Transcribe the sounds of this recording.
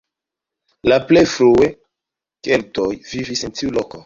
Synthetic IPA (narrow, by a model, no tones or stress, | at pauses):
laplejfɾue | keltojvivisentiuloko